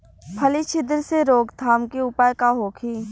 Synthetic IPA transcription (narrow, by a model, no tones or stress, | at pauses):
pʰəlit͡ʃʰɪd̪əɾseɾoːɡt̪ʰaːmkeʊpaːjkaɦoːkʰiː